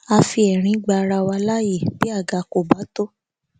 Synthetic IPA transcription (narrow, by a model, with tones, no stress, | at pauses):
a˧fi˧ɛ˨ɾ̃ĩ˧˦ɡ͡ba˧ɾa˧wa˧la˦je˦˨bi˦a˦˨ɡa˧ko˨ba˨˦to˦